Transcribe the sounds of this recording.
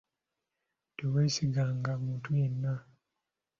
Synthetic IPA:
teweːsiɡaːŋɡamuːntujenːa

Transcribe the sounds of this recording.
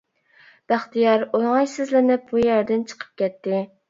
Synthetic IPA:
b̥æχt̪ijɑɾolˠŋɑjsɪzlɪnɪp̚bujæɾd̪ɪnt͡ʃʰə̥qʰə̥p̚kʲʰɛt̪ːɪ

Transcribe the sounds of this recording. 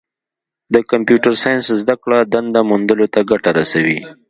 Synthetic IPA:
d̪əkampjuʈəɾsajanszd̪akɽad̪and̪amund̪əlot̪aɡaʈaɾasawi

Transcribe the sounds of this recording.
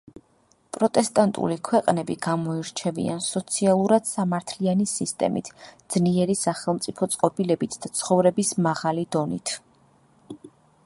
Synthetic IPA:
pʼɾɔt̪ʼɛst̪ʼant̪ʼṵlikʰwɛqʼnɛbiɡ̥amɔiɾt͡ʃʰɛvḭa̰nsɔt̪sʰialˠuɾad̪̥samaɾt̪ʰlianisist̪ʼɛ̰mḭt̪ʰd̪z̥niɛɾisaχɛlˠmt̪sʼipʰɔt̪sʼqʼɔbilɛbit̪ʰd̪̥at̪sʰχɔvɾɛbismaʁalid̪ɔnḭt̪ʰ

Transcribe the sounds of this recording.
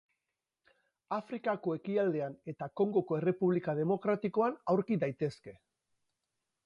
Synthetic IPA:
afɾikako̞e̞kiald̪e̞ane̞t̪ako̞ŋɡo̞ko̞e̞re̞puβlikað̞e̞mo̞kɾat̪iko̞anawɾkiðajt̪e̞ske̞

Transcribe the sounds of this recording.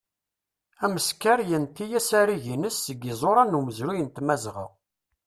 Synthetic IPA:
æməskaɾjənt̪ːijæsæɾiʝinəsːəɡɪzˤoɾˤɑnuməzɾujənt̪mæzʁə̰ʁ

